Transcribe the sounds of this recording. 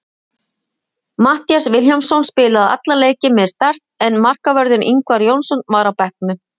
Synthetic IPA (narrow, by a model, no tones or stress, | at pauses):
maht̪jaɾ̥svɪlçjamsɔwnspɪːlaða̰t̪laleːjcɪmɛðst̪ar̥t̪ɛnmar̥kavœɾðɪniŋkvaɾjownsɔnmaːɾawpɛhk̚nʏ